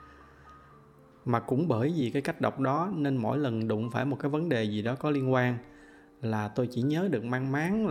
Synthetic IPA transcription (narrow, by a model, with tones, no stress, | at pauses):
maː˨˩kʊ̰˧˥ŋ͡mɓəː˧˩jzi˨˩kaː˨˦jka˦˥jk̟̚ɗə˨˩wk͡p̚ɗɔ˨˦ne˧nmo̰˧˥˨jlə˨˩nɗʊ̰˧˨ŋ͡mfaː˧˩jm˨˩t̚kaː˨˦jvə˨˦nɗe˨˩zi˨˩ɗɔ˨˦kɔ˨˦li˧ənkwaː˧n | laː˨˩t̪o˧jt͡ɕḭ˧˩ɲəː˨˦ɗɨ˨˩ək̚maː˧ŋmaː˨˦n